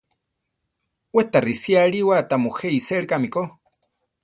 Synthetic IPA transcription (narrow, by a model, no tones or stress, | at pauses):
wet̪arisjaɺiwat̪amuxeiseɾkamiko